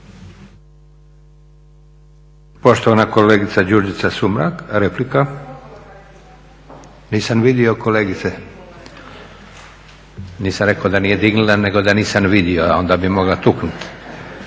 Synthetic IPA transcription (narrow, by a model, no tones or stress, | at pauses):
po̞ʃt̪oʋanakoleːɡit̪sad͡ʑuɾd͡ʒit̪sasumɾa̰kɾeplika | niːsamʋid̪io̞koleːɡit̪se | niːsamɾekood̪anije̞d̪iɡnulane̞ɡo̞d̪aniːsamʋid̪ioao̞nd̪aːbimo̞ɡlat̪uknut̪